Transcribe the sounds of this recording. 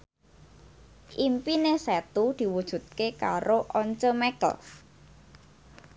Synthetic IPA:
ʔimpinesɛt̪ud̪̥i̤wud̥ʒ̥ṳt̪̚kekaɾoʔɔɲt͡ʃəmɛkə̰l

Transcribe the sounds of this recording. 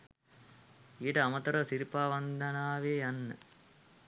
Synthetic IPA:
iːʈɐɐmɐt̪ɐɾosiɾpaːʋɐnd̪ʱɐnaːʋeːɐnːɨ

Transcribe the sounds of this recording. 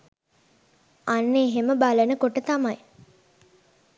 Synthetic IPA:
anːeːɦeməbalənəkoʈət̪amaj

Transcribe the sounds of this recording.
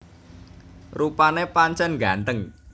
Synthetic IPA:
rupanepaɲt͡ʃɛnɡant̪əŋ

